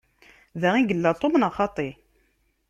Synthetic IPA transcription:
ðæʁiɡəlːat̪ˤːomnɑχɑt̪ˤi

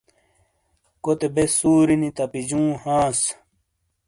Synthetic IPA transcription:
kot̪ebesuːɾinit̪ɐpid͡ʑũːhãːs

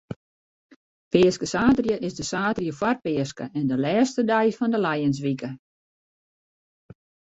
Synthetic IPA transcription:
pɪːəskəsaːtərjəʔɪsdəsaːtrjəfwarpɪəskə̰ʔɛndəlɛːstədɛjfɔndəlɛjəns̬ʋikə

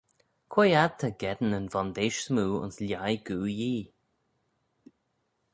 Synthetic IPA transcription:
kʰwejad̪̚t̪ʰaɡɛd̪ən̩ənvɔnd̪eːʃsmuːʊ̰nslʲjajɡuːjiː

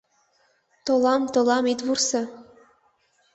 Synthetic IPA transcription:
t̪ŏlˠɑmt̪ɤ̆lˠɑmit̪βursɤ̆

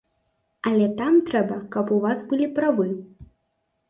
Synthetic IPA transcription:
ɐlʲɛt̪amt̪ɾɛbɐkɐpuvasbɨlʲipɾavɨ

